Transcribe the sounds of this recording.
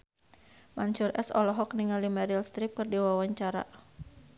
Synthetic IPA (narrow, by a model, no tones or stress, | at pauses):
maɲsʊrʔɛ̰sɔ̰lɔɦɔk̚niŋalimaɾilst̪ɾɪp̚kərdiwawaɲt͡ʃaɾa̰